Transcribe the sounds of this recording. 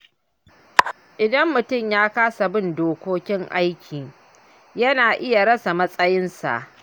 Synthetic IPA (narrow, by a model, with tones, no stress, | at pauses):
ʔɪ˨dɐ˦mːʊ˨tʊ˦˨mjaː˦kaː˦sa˨bɪ˦ndoː˨kʷoː˦kʲɪ˦ŋʔa˦jkʲʰiː˨ | jɐ˦naː˨ʔɪ˦ja˨ɾɐ˦sa˨mɐ˦sʼɐ˦jɪ˦nsa̰˨ʔ